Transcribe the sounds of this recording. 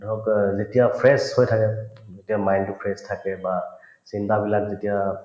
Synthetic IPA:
dɔkzetijapʰɹɛshojtʰakɛzetijamajntʊpʰɹɛstʰakɛba | sintabilakzetija

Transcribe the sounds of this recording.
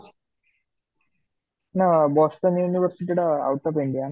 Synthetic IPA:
nabɔːsʈɐnjuːniʋəɾsiʈ̬iɽɐa̰wʈ̪ːɐpeɳɖijan

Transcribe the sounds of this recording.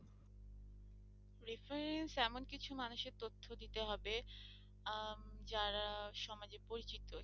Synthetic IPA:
ɾifeɾɾensɛmonkit͡ɕʰumanuʃeɾt̪ot̪ʰːod̪it̪eɦɔbe | d͡ʑaɾaʃɔmad͡ʑepoɾit͡ɕit̪ːo

